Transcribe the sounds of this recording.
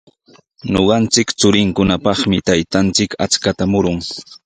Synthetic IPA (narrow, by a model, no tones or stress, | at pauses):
ɲo̰ɢɑnt͡sɪkt͡sʊɾɪŋkʊnapɑχmɪt̪ajt̪ant͡sɪka̰t͡skat̪amʊɾʊŋ